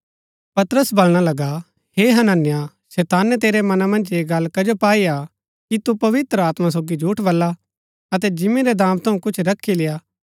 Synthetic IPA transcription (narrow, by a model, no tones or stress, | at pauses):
pɐt̪əɾəsbɐlɽ̃alɐɡa | heːɦɐnanɪja | sɛːt̪aːnɛt̪eːɾemɐnamɐ̃nd͡ʒeːɡɐlkɐd͡ʒopaːia | kit̪upɐʋɪt̪ɾəaːt̪mas̬oːɡid͡ʒʱuːʈʰʋɐlːa | ɐt̪̬ɛd͡ʒɪmẽɾɛd̪ãːmt̪ʰɐũkʊt͡ʃʰɾɐkʰːilɪjaː